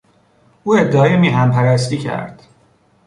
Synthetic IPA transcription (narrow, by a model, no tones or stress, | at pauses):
uːed̪ːɒːemiːɦæmpʰæɾæst̪iːcʰæ̰ɾd̪̥